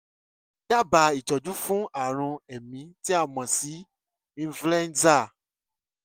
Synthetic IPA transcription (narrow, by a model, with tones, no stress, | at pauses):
d͡ʒa˦˨ba˧i˨t͡ʃɔ˨d͡ʒu˦fũ˦a˦˨ɾ̃ũ˧ɛ˨mĩ˨˧˦ti˦a˦˨mã˨si˨˦ | ĩ˧˦flɛ˦n˦za˦˨